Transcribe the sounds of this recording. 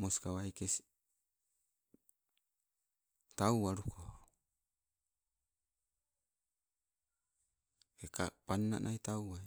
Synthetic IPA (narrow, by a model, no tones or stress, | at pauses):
moskawajkesi | t̪auaɾukʰo | ekapanːa̰nʔait̪aua